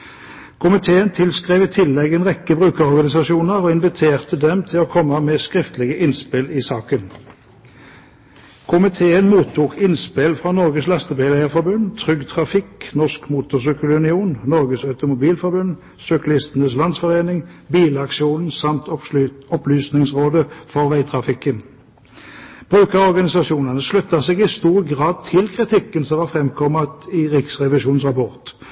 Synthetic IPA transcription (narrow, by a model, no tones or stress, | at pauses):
kʰʊmɪt̪ʰeːənt̪ʰɪlskʁeːʋiːt̪ʰɪlːɛɡeːnʁɛkːəbʁʉːkəʁɔʁɡɑnɪsɑʃuːnəʁoːɪnʋɪt̪ʰeːʁt̪əd̪ɛmt̪ʰɪloːkʰɔmːəmɛːskʁɪft̪əlɪɡəʔɪnspɪlɪsɑːkən | kʰʊmɪt̪ʰeːənmuːt̪ʰːuːkʰɪnspɪlfʁɑːnɔʁɡəslɑst̪əbɛlæɪəʁfɔʁbʉnt̪ʰʁʏɡt̪ʰʁɑfɪknɔʁskmuːt̪ʊʁsʏkəlʉnɪuːnnɔʁɡəsɑʉt̪ʊmʊbiːlfɔʁbʉn | sœklɪst̪ənəslɑnsfɔʁeːnɪŋbiːləɑkʃɪuːnn̩sɑmt̪ɔplyːsnɪŋsʁoːd̪əfɔʁʋæɪt̪ʰʁɑfɪkːən | b̥ʁʉːkəʁɔʁɡɑnɪsɑʂuːnənəslʉt̪ːɑseːɡɪst̪uːʁɡʁɑːd̪̚t̪ʰɪlkʰʁɪt̪ʰɪkːənsɔmʋɑːʁfʁɛmkʰɔmət̪ɪʁɪksʁɛʋɪʃuːnsʁɑpɔʁt̪